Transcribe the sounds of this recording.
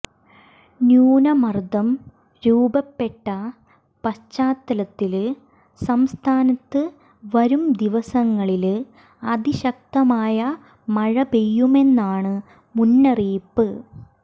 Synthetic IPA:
njuːnɐmɐrd̪ɐm | ɾuːbɐpːe̞ʈːɐ | pɐt͡ɕːaːt̪ːɐlɐt̪ːil | sɐmst̪ʰaːnɐt̪ːɨ | ʋɐɾumd̪iʋɐsɐŋːɐɭil | ɐd̪iɕɐk̚t̪ɐmaːjɐ | mɐɻɐbejːume̞nːaːɳɨ | munːɐriːpːɨ

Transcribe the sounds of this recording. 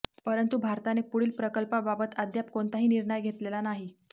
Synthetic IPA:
pəɾənt̪ubʱaɾt̪anepuɽiːlpɾəkəlpababət̪əd̪jap̚koɳt̪aɦiːniɾɳəjɡʱet̪lelanaɦi

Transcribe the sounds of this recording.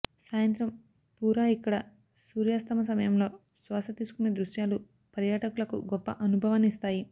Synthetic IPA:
saːjɐnt̪ɾɐm | puːɾaːikːɐɽɐ | suːɾjaːst̪ʰɐmɐs̬ɐmɐjɐmlo̞ː | sʋaːsɐt̪iːsu̥kuned̪ɾuʃjaːlu | pɐɾjaːʈɐkulɐkṵɡɔpːɐ̰ʔɐnubʱɐʋɐnist̪aːji

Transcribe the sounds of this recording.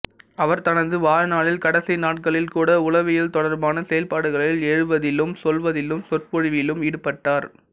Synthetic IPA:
ɐʋɐɾt̪ɐnɐnd̪ɯʋaːɻnaːɭɪlkɐɽɐsɐɪnaːʈ̚kɐɭɪlkuːɽɐʊlɐʋɪjɪlt̪ɔɽɐɾbaːnɐsɛjɐlpaːɽɯɣɐɭɪlɛɻɯʋɐðɪlːɯmsɔlʋɐðɪlɯmsɔrpɔɻɪʋɪlɯmɪɽɯpːɐʈːaːɾ

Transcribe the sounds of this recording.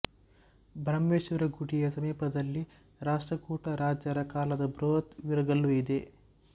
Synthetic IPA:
bʱɾɐmːeːʃʋɐɾɐɡuʈijɐsɐmiːpɐd̪ɐlːi | ɾaːʂʈɾɐkuːʈɐɾaːd͡ʒɐɾɐkaːlɐd̪ɐbɾoːt̪ʋiɾɐɡɐlːuid̪e̞

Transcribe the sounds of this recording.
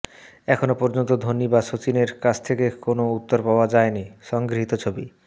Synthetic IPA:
ɛkʰonopɔɾd͡ʑont̪od̪ʱonːibaʃot͡ɕineɾkat͡ɕʰt̪ʰekekonout̪ːoɾpaoad͡ʑaeniʃɔŋɡɾiɦit̪ot͡ɕʰobi

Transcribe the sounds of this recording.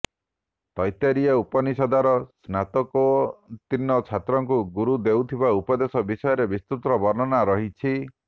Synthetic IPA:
t̪ɔjt̪aɾiaupɔnisɔd̪aɾɔsnat̪ɔkɔt̪inɔt͡ʃʰat̪ɾɔŋkuɡuɾud̪ewt̪ʰibaupɔd̪esɔbisɔjɔɾebist̪ut̪ɾɔbɔɾnɔnaɾɔɦit͡ʃʰi

